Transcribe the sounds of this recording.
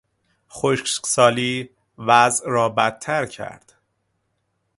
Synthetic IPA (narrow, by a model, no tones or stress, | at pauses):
xoʃcksɒːliː | væzʔɾɒːbæt̪̚ʰːæɾcʰæ̰ɾd̪̥